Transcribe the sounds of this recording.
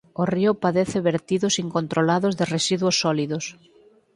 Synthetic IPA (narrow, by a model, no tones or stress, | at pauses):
oriʊpaðeθɪβeɾt̪iðʊsiŋkont̪ɾolaðʊzðɪresiðwosːɔliðos